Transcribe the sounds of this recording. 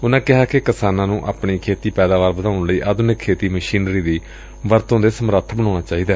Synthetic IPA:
ʊnãːkɪɦaːkekɪsaːnãːnũːʔaːpɳiːkʰeːt̪iːpɛːd̪aːʋaːɾbəd̪aːʊnləiːʔaːd̪ʊnɪkʰːeːt̪iːməʃiːnɾiːd̪iː | ʋəɾt̪õːd̪eːsəmɾət̪ʰːbəñaːɽ̃aːt͡ʃaːiːd̪aː

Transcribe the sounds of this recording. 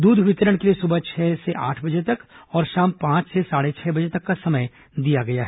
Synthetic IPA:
d̪uːd̪ʱʋɪt̪əɾəɽ̃keliesʊbʱət͡ʃʰɛːseʔa̰ːʈʰbɐd͡ʒet̪ɐkɔːɾʃaːmpãːt͡ʃsesaːɽet͡ʃʰɛːbɐd͡ʒet̪ɐkːasɐməj | d̪ijaɡɐjaɦɛː

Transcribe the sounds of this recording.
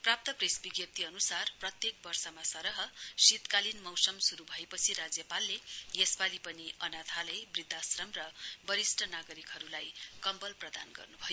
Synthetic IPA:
prap̚t̪ʌpresbiɡjʌp̚t̪ʰiʌnusarprʌt̪jek̚bʌrsʌmasʌɾʌɦʌsit̪kalinmʌwsʌmsuɾubʱʌepʌt͡sʰiɾad͡zjʌpalːejesbalipʌniʌnat̪ʰalʌjbrid̪ʱːasrʌmrʌbʌɾisʈʰʌnaɡʌɾikɦʌɾulajkʌmbʌlprʌd̪anɡʌ̰rnubʱʌjo

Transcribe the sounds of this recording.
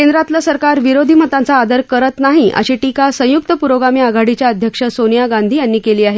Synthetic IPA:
kend̪ɾat̪lasəɾkaɾʋiɾod̪ʱiːm̤ət̪ant͡saːd̪əɾkəɾət̪naɦiʔə̰ɕiʈikasə̃juk̚t̪əpuɾoɡamiaɡʱaɽit͡ɕjaəd̪ʱjəkʂəsonijaɡãnd̪ʱiːjanːiːkeliːaɦe

